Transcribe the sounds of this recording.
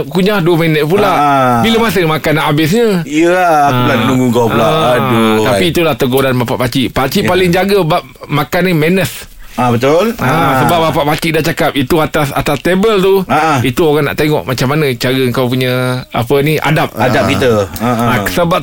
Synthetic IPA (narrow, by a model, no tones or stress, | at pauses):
kuɲahduəmenət̪̚pulabiləmas̬əmakanːaʔabɪsɲəiəalanuŋɡuɡawpuladot̪apiːt̪ulaht̪əɡɔdanbapa̰ʔpat͡ʃiʔpat͡ʃiʔpalɪŋd͡ʒaɡəbap̚makanːimenəs | abət̪ʊlasəbaʔ̚bapaʔpat͡ʃiʔdaht͡ʃakap̚it̪uat̪asa̰t̪ast̪ebəlt̪uait̪uoɣaŋna̰ʔt̪eŋɔ̰ʔmat͡ʃamːanə̃t͡ʃaɾəəŋkawpuɲə̃a̰pənia̰dap̚adap̚kit̪əasəba